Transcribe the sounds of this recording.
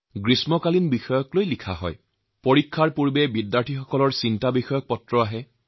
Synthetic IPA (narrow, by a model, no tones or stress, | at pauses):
ɡɹismɔkalinbixɔjɔklojlikʰa̰ɦɔ̰j | poɹikʰːaɹpuɹbɛbidːaɹtʰixɔkɔlɔɹsintabixɔjɔk̚pɔtɹɔaɦɛ